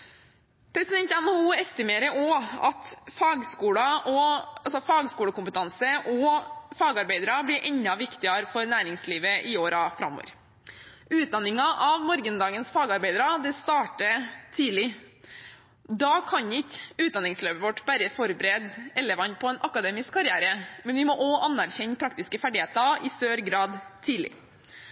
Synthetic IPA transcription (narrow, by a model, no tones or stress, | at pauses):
pʰɾɛsɪd̪ɛnt̪ɛməhuːɛst̪ɪmeːɾəɔɑ̰t̪fɑːɡskuːɽɑʔɔɑlsɔfɑːɡskuːɽəkʊmpət̪ʰɑnsəʔɔfɑːɡɑɾbeɪd̪ɾɑblɪɾʔɛɲːɑʋɪkt̪ɪɑɾfɔɾnæːɾɪŋsliːʋəʔɪoːɾɑfɾɑ̰mːo̰ɾ | ʉːt̪̚d̪ɑnːɪŋɑʔɑʋmɔɾɡənd̪ɑːɡənsfɑːɡɑɾbæɪd̪ɾɑd̪ɛst̪ɑːʈət̪ʰiːlɪ | d̪ɑkʰɑɲɪkʉːt̪̚d̪ɑnɪŋsløːpəʋɔʈːbæɾəfɔɾbəɾeːd̪ɛləʋɑnpʰɔɛːnʔɑkɑd̪eːmɪskkʰːɑɾɪæːɾəmɛnʋɪmɔʔɔʔɑnːæɾçɛɲːpʰɾɑk̚t̪ɪskəfæɖɪheːt̪ɑɪst̪øːɾɡɾɑːd̪t̪ʰːiːlɪ̰